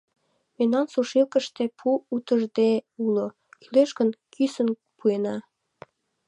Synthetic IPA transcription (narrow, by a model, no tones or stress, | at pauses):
memnɑnsuʃilkə̆ʃt̪epʰuːt̪əʒd̪eulo | kyleʃkənkysən | puenɑ